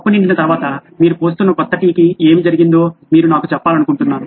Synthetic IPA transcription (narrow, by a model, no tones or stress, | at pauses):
pːuniɳɖinɐt̪ɐɾuʋaːt̪ɐmiːɾupo̞ːs̬t̪unːɐkɔt̪ːɐʈiːkie̞ːmid͡ʒɐɾiɡind̪o̞ːmiːɾunaːkut͡ʃɛpːaːlɐnukuɳʈunːaːɾu